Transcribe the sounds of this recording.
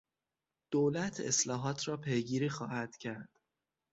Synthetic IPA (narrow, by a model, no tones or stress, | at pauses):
d̪̥oːlæt̪ʰḛslɒːɦɒːt̪ʰɾɒːpʰejɡiːɾiːxɒːhæd̪̥cʰæɾd̪̥